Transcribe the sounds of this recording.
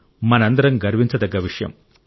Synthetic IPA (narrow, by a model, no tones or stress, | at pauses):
mɐnɐnd̪ɐɾɐŋɡɐɾʋiɲt͡ʃɐd̪ɐɡːɐʋiʂɐjɐ̰m